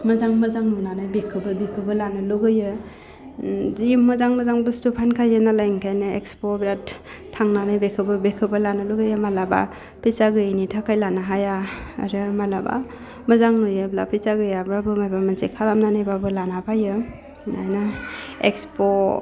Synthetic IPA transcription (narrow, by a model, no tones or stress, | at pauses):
mɐzaŋmazaŋnunanajbekʰɯbɯbikʰɯbɯlanɯlɯɡɯjɯ | zijumːɐzaŋmɐzaŋbɯstupʰankʰajɯnalajŋkʰajnɯḛkspobɾatʰː | aŋnanajbekʰɯbɯbekʰɯbɯlanɯluɡɯjɯmalaba̰ | pʰisaɡɯjnitʰakʰajlanaɦajaa̰ɾɯmalaba̰ | mɐzaŋnojablapʰisaɡɯjabɾabɯmajbamansekʰaɾamnanajbabɯlanapʰajɯ | a̰jnɯekspo